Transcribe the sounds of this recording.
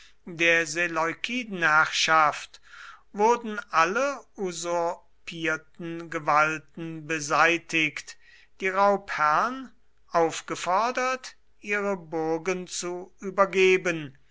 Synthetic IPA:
deːɐzelɔʏkʰiːdn̩hæʁʃaftvʊɐdn̩ʔaləuzʊɐ | pʰiːɐtn̩ɡəvaltn̩bəzaɪtʰɪkt | d̥iːʁaʊphɛʁn | ʔaʊfɡ̥əfɔɐdɐt | ʔiːʁəbʊɐɡənt͡suʔyːbɐɡeːbən

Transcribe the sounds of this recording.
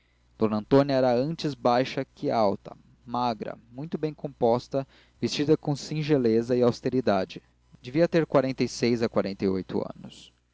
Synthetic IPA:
d̪̥õnɐ̃nt̪õnjɐɛɾɐɐ̃nt͡ʃɪzbajʃɐkɪawt̪ɐ̰ | maɡɾɐ̰mũj̃t̪ʊbẽj̃kõmpɔst̪ɐ | vest͡ʃid̪ɐkõsĩʒelezɐɪawst̪eɾid̪ad͡ʒɪ | d͡ʒ̪eviɐt̪eɾkwaɾẽnt̪ejsejzɐkwaɾẽnt̪ejojt̪ʊ̰ɐ̰̃nʊs

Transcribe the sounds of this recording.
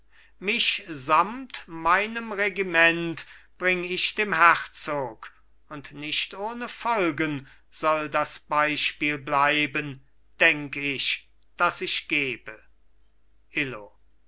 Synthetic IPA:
mɪʃzamtmaɪnəmʁeɡimɛntb̥ʁɪŋɪʃd̥eːmhæχt͡soːk | ʊntnɪʃtʔoːnəfɔlɡən | z̥ɔldasb̥aɪʃpiːlblaɪbən | d̥ɛŋkəɪʃ | d̥asɪʃɡ̥eːbə | ʔɪlo

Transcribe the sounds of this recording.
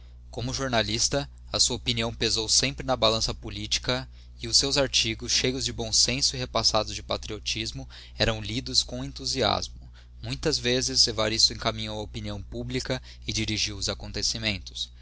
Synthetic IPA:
kõmʊʒoɾnalist̪ɐ | ɐsuɐopiniɐ̃w̃pezowsẽmpɾɪnɐbalɐ̃sɐpolit͡ʃi̥kɐ | ɪʊsːewzaɾt͡ʃiɡʊsʃejʊzd͡ʒɪbõw̃sẽsʊiɦepasad̪ʊzd͡ʒɪpat̪ɾiot͡ʃizmʊ | ɛɾɐ̃w̃lid̪ʊskõw̃ẽnt̪uzia̰zmʊ | mũj̃t̪ɐzvezɪzevaɾist̪ʊẽŋkamĩɲowɐopiniɐ̃w̃publikɐ | ɪd͡ʒiɾiʒiwʊzakõnt̪esimẽnt̪ʊ̥s

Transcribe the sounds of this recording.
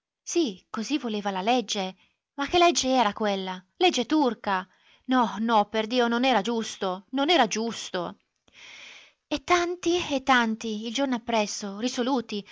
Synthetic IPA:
sikozivːoleːvalaled͡ʒːe | mak̟ːelːɛd͡ʒːeɛːɾakwelːaled͡ʒːet̪urka | nɔnɔpːerd̪iːononɛːɾad͡ʒust̪ononɛːɾad͡ʒust̪o | et̪ːant̪iet̪ːant̪iild͡ʒornoapːɾɛsːorisoluːt̪i

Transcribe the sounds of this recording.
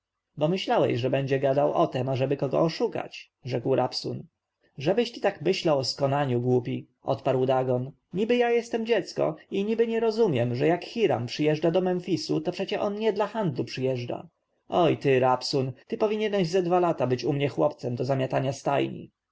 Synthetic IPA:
bɔmɘɕlawɛ̰ɕʐɛbɛɲd͡ʑɛɡad̪awʔɔt̪ɛmaʐɛbɘkɔɡɔ̰ɔʂuka̰t͡ɕ | ʐɛkwɾapsun | ʐɛbɘɕt͡ɕi̥t̪akmɘɕlawɔskɔnaɲuɡwupʲi | ʔɔ̰t̪paɾwd̪aɡɔn | ɲibɘjajɛst̪ɛmd͡ʑɛt̪skɔ̰iɲibɘɲɛɾɔzumʲjɛmʐɛjakxʲiɾa̰mpʂɘjɛʐdad̪ɔmɛnfʲisut̪ɔpʂɛt͡ɕɛʔɔnɲɛd̪laxand̪lupʂɘjɛʐda̰ | ɔjt̪ɘɾapsunt̪ɘpɔvʲiɲɛnɛʑzɛd̪valat̪abɘt͡ɕumɲɛxwɔpt̪sɛmd̪ɔzamʲjat̪aɲast̪a̰jɲḭ

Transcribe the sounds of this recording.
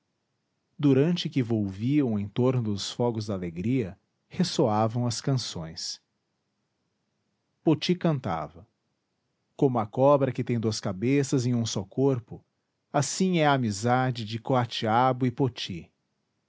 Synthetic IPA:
d̪uɾɐ̃nt͡ʃɪkɪvowviɐ̃w̃ẽj̃t̪oɾnʊd̪ʊsfɔɡʊzd̪aleɡɾiɐ | hesoavɐ̃w̃ɐskɐ̃sõ̰j̃s | pot͡ʃikɐ̃nt̪a̰vɐ | kõmʊɐkɔbɾɐkɪt̪ẽj̃d̪uɐskabesɐzẽj̃ũsɔkoɾpʊ | asĩɛɐːmizad͡ʒɪd͡ʒɪkoat͡ʃiabʊɪpot͡ʃi

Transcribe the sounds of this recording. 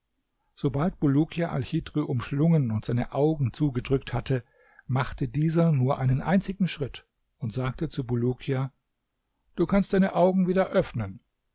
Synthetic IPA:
z̥obalt̚b̥uluːkʰiaʔa̰lçiːdʁyʔʊmʃlʊŋənʊntz̥aɪnəʔaʊɡŋ̩t͡suːɡədʁʏk̚thatə | maχtədiːzɐnuːɐʔaɪnənʔa̰ɪnt͡sɪɡŋ̩ʃʁ̥ɪt | ʊntz̥aːk̚tət͡subulukʰia | d̥uːkʰanstd̥aɪnəʔaʊɡŋ̩viːdɐʔœfnən

